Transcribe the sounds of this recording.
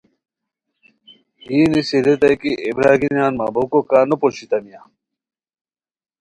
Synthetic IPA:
inisiɾet̪ajkiebɾaɡinianmabowkokanopoʃit̪amija

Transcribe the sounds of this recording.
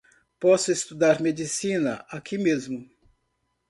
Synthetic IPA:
pɔsʊest̪ud̪aɾmed͡ʒisĩnɐ̰ʔakimezmʊ

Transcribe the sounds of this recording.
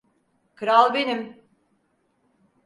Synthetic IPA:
kʰɯɾalˠbenim

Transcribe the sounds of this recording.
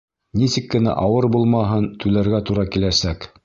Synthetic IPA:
nisɘ̆kːɘ̆næ̰ʔɑwɤɾbulˠmɑɦɤnt̪ʉlæɾɡæt̪uɾɑkilæsæk

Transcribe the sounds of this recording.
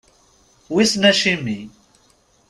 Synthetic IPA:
wisnɐʃimi

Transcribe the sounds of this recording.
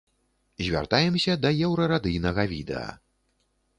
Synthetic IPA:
zʲvʲa̰rt̪ajɛmsʲɐd̪ɐjɛwɾɐɾad̪ɨjnɐɣɐvʲid̪ɛ̰ɐ̰

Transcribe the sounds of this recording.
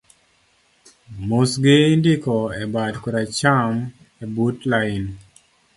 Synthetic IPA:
mosɡɪndɪkɔɛbadkuɾat͡ʃam | ɛbutlaɪn

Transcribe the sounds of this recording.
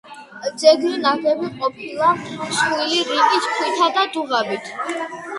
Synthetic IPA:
d̪zɛɡɾinaɡɛbiqʼɔpʰilˠasiliɾikʼiskʰwit̪ʰad̪ad̪uʁabit̪ʰ

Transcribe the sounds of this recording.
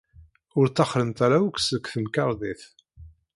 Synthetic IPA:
ʊɾt̪t͡sːɑχɾənt̪aɾæwəksəkθəmkɑɾˤðiθ

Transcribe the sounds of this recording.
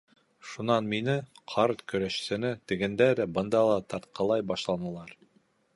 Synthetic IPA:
ʃunɑnminɘqʰɑɾt̪kɵ̆ɾæʃɘ̥̆sɘ̆nɘt̪ɘ̆ɡɘ̆nd̪ælæbɤ̆nd̪ɑlˠɑt̪ɑɾt̪̚qɑlˠɑjbɑʃlˠɑnɤ̆lˠɑɾ

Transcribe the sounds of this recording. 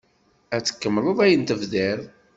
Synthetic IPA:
æt͡sːə̥kːəmːləðˤæjənt̪əvðɪɾˤ

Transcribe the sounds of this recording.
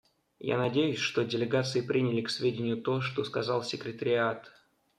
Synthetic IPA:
ja̰nɐdʲejʊsʲʂt̪o̞dʲɪlʲɪɡat̪sɨɪpɾʲinʲɪlʲɪksvʲedʲɪnʲɪjʊt̪oʂt̪o̞skɐzɑlˠsʲɪkɾʲɪt̪əɾʲɪat̪

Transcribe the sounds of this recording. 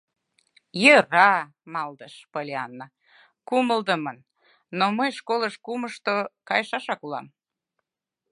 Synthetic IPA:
jərɑ | mɑld̪əʃpolʲeɑnːə | kuməld̪əmənː | oməjʃkoləʃkuməʃt̪okɑjəʃɑʃɑkulɑ̰m

